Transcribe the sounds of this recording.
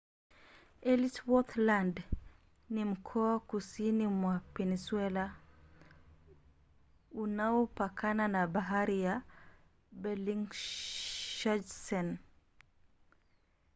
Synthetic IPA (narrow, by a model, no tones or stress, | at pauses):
elitwɔt̪land | nim̩kʰɔakusinimwapɛniswɛla | unaɔpakʰananabaɦaɾija | bɛliŋ | ʃad͡ʒsɛn